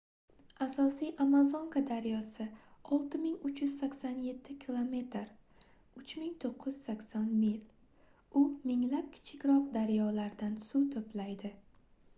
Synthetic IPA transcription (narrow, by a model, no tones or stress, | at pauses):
asɒsijʔamazoŋkʰad̪aɾjɒsɪɒlˠt̪ʰɪmɪŋʊt͡ʃjʊz̥sakʲsanje̞t̪ʰːɪkʲʰilˠome̞t̪ɾ | ʊt͡ʃmɪŋt̪ʰoqʰːɨjz̥sakʲsanmil | ʊmɪŋlap̚kʲʰɪ̥t͡ʃʰɪkʲɾɒqd̪aɾjɒlaɾd̪ansut̪ʰɵplajd̪ɪ